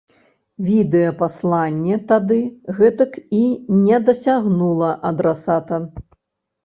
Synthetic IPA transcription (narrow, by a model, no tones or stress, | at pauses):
vʲid̪ɛjɐpaslˠanʲːɛt̪ad̪ɨɣɛt̪ɐkinʲɛd̪ɐsʲaɣnulˠɐʔɐd̪ɾɛsat̪ɐ